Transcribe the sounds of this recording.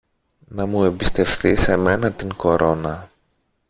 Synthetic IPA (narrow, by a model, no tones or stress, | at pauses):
nɐmue̞mbist̪e̞fθise̞me̞nɐt̪iŋko̞ɾʔo̞nɐ